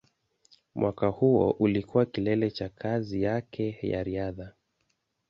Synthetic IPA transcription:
mwʔakahuɔ̰ʔulikuwakilɛlɛt͡ʃakʰazijakʰɛja̰ɾiaða

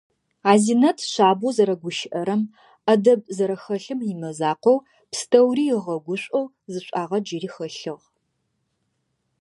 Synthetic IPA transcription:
aːzinɐtʰɕʷaːbuzɐɾɐɡʷʊʃɪʔɐɾɐm | ɐdɐb̚zɐɾɐxɐɬɨmjɪmɐzaːqʷow | pstʰɐwriːjɪʁɐɡʷʊɕʷʼow | zɨɕʷʼaːʁɐd͡ʒiriːxɐɬɨʁ

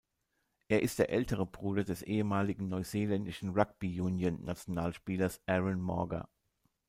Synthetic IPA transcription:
ʔeːɐʔɪstd̥eːɐʔɛltəʁ̞əbʁuːdɐdɛsʔeːəmaːlɪɡŋ̩nɔʏzeːlɛndɪʃn̩ʁaɡ̚b̥ijuːnjənːat͡sjonaːlʃpiːlɐsʔɛʁɪnmɔɐɡɐ̰

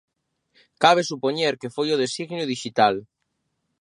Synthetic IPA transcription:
kaβ̞esupoɲeɾkefojoðesiɣnjʊðiʃit̪al

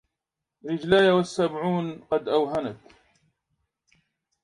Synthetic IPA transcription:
ɾɪd͡ʒlaːjawasːabʕuːnqɑd̪ʔawɦanat̪

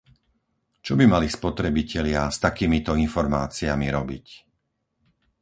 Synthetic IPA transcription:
t͡ʃɔbimalispɔt̪ɾɛbicʰɛlɪast̪akiːmit̪ɔinfɔɾmaːt͡siamiɾɔbḭc

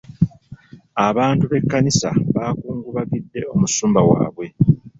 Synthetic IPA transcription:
aβaːntuβe̞kːanisa̰βaːkuːŋɡuβaɡidːe̞o̞musuːmbawa̰ːβwe̞

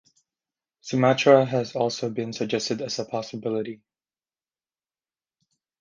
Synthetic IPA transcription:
sɨmæt͡ʃɹəɨzɔlˠsoʊbɨ̃nsəɡ̚d͡ʒɛstɨdɨz̥əpʰɑsəbɪlˠəɾi

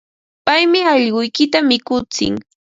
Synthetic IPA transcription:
pajmɪɑʎɢʊjkɪt̪amɪkʊt͡sɪ̰ŋ

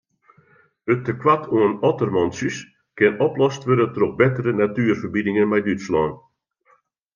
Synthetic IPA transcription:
ətəkwatʰuənɔtərmɔnsys | kɪnɔplɔstʋødətərɔp̚bɪtərənatyːərfərbidɪŋənmɛjdytslɔːn

